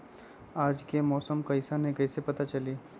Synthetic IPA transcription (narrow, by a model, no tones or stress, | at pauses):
aːd͡ʒkemɔːsəmkɐɪsanẽkɐɪsepɐt̪at͡ʃɐliː